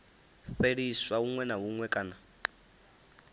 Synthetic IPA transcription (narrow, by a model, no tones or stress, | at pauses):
ɸeɺiswaɦuŋwɛnaɦuŋwɛkʼana